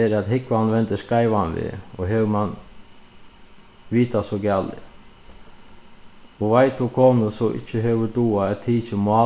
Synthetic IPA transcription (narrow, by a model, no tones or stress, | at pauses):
ɛɾat̪ɦɪkʋanʋɛnt̪əskaɪʋanʋɪ̰ɔɦɛwman | ʋiːt̪asɔɡaːlɪ̰ | ɔʋaɪt̪ɔkʰoːməsɔʔɪ̰çəɦɛʋəd̪uːaɛt̪ʰiːçəmʊa